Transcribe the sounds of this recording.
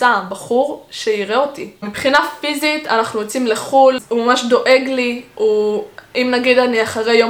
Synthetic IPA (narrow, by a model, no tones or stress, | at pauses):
abaχuʁʃeiʁeotimipχinafizita̰naχnujot͡simleχulumamaʃdo̞ʔe̞ɡliuimnaɡidaniaχaʁejo